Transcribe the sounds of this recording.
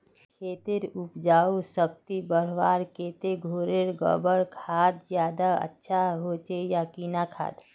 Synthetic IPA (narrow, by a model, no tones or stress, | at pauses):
kʰeːt̪eɾʊpd͡ʒaːosəkt̪ibəɾ̤ʋa̰ːɾkeːt̪eɡʱoːɾeɾɡə̰bəɽkʰaːd̪zjaːd̪aə̰tːʃʰaɦot͡ʃejakinakʰa̰ːd̪